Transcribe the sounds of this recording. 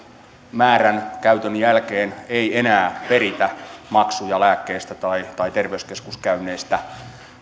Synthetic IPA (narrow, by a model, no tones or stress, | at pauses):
mæːɾænkæyt̪ønjælkeːneienæːpe̞ɾit̪æmɑksujɑlæːkːeːst̪æt̪ɑit̪ɑit̪erʋeyskeskuskæynːˑeːst̪æ